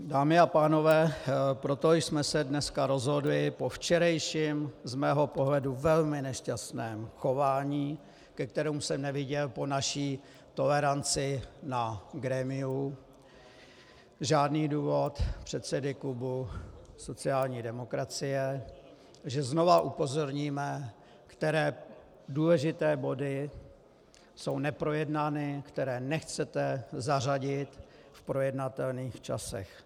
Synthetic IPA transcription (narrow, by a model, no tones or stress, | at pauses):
daːmɪapaːno̞vɛːpɾo̞t̪ojsmɛsɛdnɛskaɾo̞zɦo̞dlɪpo̞ft͡ʃɛɾɛjʃimzmɛːɦo̞po̞ɦlɛduvɛlmɪnɛʃcast̪nɛːmxo̞vaːɲiː | kɛk̚t̪ɛɾɛmsɛmnɛvɪɟɛlpo̞naʃiː | t̪o̞lɛɾant͡sɪnaɡɾɛːmɪu | ʒaːdniːduːvo̞t̪pr̝̥ɛt̪sɛdɪklubuso̞t͡sɪaːlɲiːdɛmo̞kɾat͡sɪjɛ | ʒɛzno̞vaʔupo̞zo̞ɾɲiːmɛ | kt̪ɛɾɛː | duːlɛʒɪt̪ɛːbo̞dɪ | so̞wnɛpɾo̞jɛdnaːnɪkt̪ɛɾɛːnɛxt͡sɛt̪ɛzaraɟɪt̪ | fpɾo̞jɛdnat̪ɛlniːxt͡ʃa̰sɛ̰x